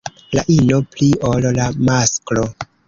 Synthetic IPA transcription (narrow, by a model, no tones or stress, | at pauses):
laʔinopliollamasklo